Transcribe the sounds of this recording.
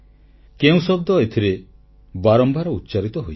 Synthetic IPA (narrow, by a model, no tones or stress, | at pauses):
keũsɔb̚d̪ɔet̪ʰiɾe | baɾɔmbʱaɾɔut̪ːt͡ʃaɾit̪ɔɦoj